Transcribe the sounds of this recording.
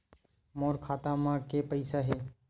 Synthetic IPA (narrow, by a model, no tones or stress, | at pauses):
moːɾkʰaːt̪amãkepəɪsaɦeː